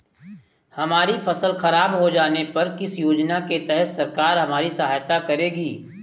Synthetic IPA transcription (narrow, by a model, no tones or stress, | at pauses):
hɐmaːɾifʰɐsəlxɐɾaːbɦod͡ʒaːnepɐɾkɪsjoːd͡ʒnaket̪ɛɦət̪sɐɾkaːɾɦɐmaːɾisɐɦaːjt̪akɐɾeːɡiː